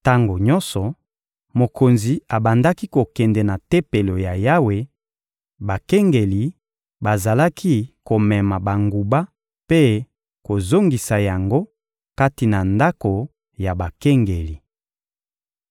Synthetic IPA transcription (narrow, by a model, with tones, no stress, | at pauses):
ta˦ŋɡo˨ɲɔ˦nsɔ˨ | mo˨ko˨nzi˨a˨ba˨nda˦ki˦ko˨kɛ˨ndɛ˨na˨tɛ˦pe˨lo˨ja˨ja˦we˨ | ba˨kɛ˦ŋɡe˨li˨ | ba˨za˨la˦kʰi˦ko˨mɛ˨ma˨ba˨ŋɡu˨ba˦ | pe˦ | ko˨zo˦ŋɡi˨sa˨ja˨ŋɡo˦ | ka˦ti˨na˨nda˦ko˨ | ja˨ba˨kɛ˦ŋɡe˨li˨